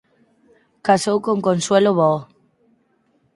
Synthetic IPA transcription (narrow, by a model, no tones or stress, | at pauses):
kasowkoŋkonsweloβo